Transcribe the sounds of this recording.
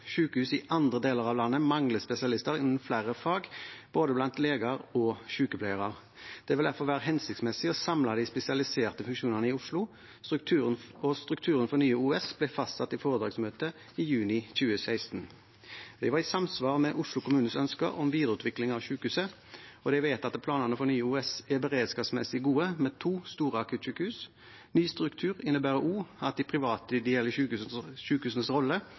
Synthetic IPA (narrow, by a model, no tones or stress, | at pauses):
ʃʉːkəhʉːsɪʔɑnd̪ʁəd̪eːləʁɑʋlɑnːəmɑŋləspɛsɪɑlɪst̪əʁɪnn̩flæɾəfɑːɡb̥oːd̪əblɑnt̪leːɡɑʁɔʃʉːkəpʰlæɪəʁɑʁ | d̪̥ɛʋɪld̪æʁfɔʁʋæːʁəɦɛnsɪkt̪smɛsɪɔsɑmlɑd̪æɪspɛsɪɑlɪseːʁt̪əfʉŋkʂuːnəʁnəɪʊʂlʊ | t̪t̪ʰʉːɔst̪ʁʉkt̪ʰʉːɾənfɔʁnyːəuːɛsb̥lɛfɑst̪sɑt̪ːɪfoːʁəd̪ɾɑːɡsmøːt̪ə | ijʉːnɪc͡çʉːəsæɪst̪n | d̪ɛʋɑʁɪsɑmsʋɑːʁmɛʔʊʂlʊkʰʊmʉːnənsœnskə̰ɔmʋiːd̪əʁəʉːt̪ʰʋɪklɪŋɑʋɕʉːkʉːsə | ɔd̪ɛɪʋæɪt̪ɑt̪pʰlɑːnəʁnəfɔɾnyːəuːɛsæbəʁeːd̪skɑːʋsmɛ̰sɪɡuːəmɛt̪ʰuːst̪uːʁəɑkʰʉːt̪ɕʉːkʉːs | nyːst̪ɾʉkt̪ʰʉːʁɪnːəbæːʁəʔuːɑt̪̚d̪ɪpʰɾɪʋɑːt̪əɪd̪ɛjɛlːəʉʃʉːkʉːsənəsʁɔlːə